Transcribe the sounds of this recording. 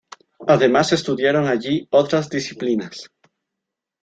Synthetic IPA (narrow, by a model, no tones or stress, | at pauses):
aðemase̞st̪uðjaɾoŋaʎiot̪ɾazðisiplinas